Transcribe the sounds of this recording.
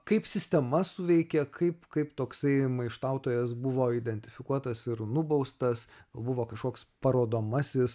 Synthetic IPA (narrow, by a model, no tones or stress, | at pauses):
kɐɪpsʲɪsʲt̪ʲɛmɐsʊʋʲɛɪkʲɛkʰɐɪpkɐɪpt̪oːksɐɪmɐɪʃt̪ɐˑʊt̪oːjɛsbʊʋoːid̪ʲɛnʲt̪ʲɪfʲɪkuɔt̪ɐsɪɾnʊbɐʊst̪ɐsbʊʋoːkɐʃkoːkspɐɾoːd̪oːmɐsʲɪs